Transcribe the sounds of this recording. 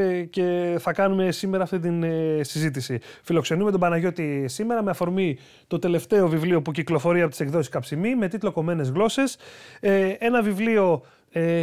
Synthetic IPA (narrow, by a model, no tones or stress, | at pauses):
ce̞θɐkɐnume̞sime̞ɾɐːft̪it̪insizit̪̬isifilo̞kse̞numet̪obɐnɐʝo̞t̪isime̞ɾɐmeɐfo̞ɾmi | t̪o̞t̪e̞le̞ft̪e̞o̞vivliopuciklo̞fo̞ɾiɐpo̞t̪ise̞kðo̞siskɐpsimime̞t̪it̪lo̞ko̞mene̞zɣlo̞se̞s | e̞nɐvivlio̞ | e